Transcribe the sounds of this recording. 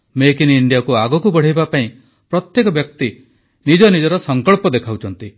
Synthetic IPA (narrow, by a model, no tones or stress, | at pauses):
mekiniɳɖjakuaɡɔkubɔɽ̤ijbapaĩ | pɾɔt̪jekɔbjɔk̚t̪i | nid͡ʒɔnid͡ʒɔɾɔsɔŋkɔɭpɔd̪ekʰawt͡ʃʰɔnt̪i